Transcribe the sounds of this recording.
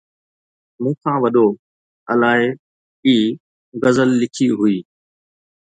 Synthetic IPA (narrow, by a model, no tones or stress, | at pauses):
mũːkʰãːʋɐɗo | ɐlaːɦɪ | iː | ɣɐzəlːɪkʰiɦʊiː